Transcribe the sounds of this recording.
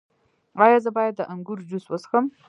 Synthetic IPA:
wɑjɑzəbɑjad̪̚ːəʔaŋɡuɾd͡ʒuswəsxəm

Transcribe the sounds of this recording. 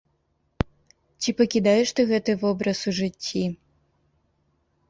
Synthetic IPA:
t͡ɕʲipɐkʲid̪ajɛʂt̪ɨɣɛt̪ɨvɔbɾɐsuʐɨt͡sʲːi

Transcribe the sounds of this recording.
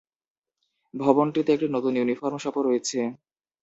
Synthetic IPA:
bʱɔbonʈit̪eek̚ʈinɔt̪unjunifaɾmʃɔpoɾojet͡ɕʰe

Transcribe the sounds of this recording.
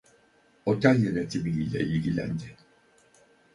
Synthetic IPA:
ot̪ʰæljɛnet̪ʰimiilʲɛ̰ʔilʲɟilʲæ̰nd̪ɪ

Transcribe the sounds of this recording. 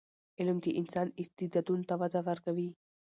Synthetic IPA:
ʔɛlʊmt̪iʔɪnsaːnɪst̪ːɪd̪ɐt̪uːnt̪ɐfɐt̪ɐfɐɾkɐbiː

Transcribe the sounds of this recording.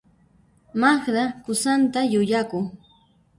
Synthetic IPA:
maχɾakʊsant̪ajʊʎakʊŋ

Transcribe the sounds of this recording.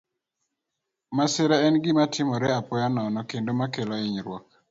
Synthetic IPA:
masɪɾaɛnɡɪmatʰɪmɔɾɛapɔjanɔnɔkendomakelɔɪɲɾwɔk̚

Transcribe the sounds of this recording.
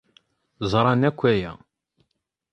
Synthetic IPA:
zˤɾˤɑnækʷːæjæ̰

